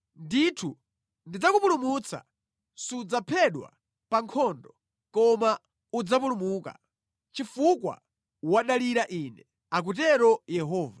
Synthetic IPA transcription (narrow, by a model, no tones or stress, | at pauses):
nditʰu | ndid͡zakupulumut͡sa̰ | sud͡zapʰɛɗwa̰ | paŋkʰɔndɔ | kɔma | ud͡zap̬ulumuːka̰ | t͡ʃifukwa̰ | waɗaliɾaʔiːnɛ | ak̬ut̬ɛɾɔjɛɦɔːva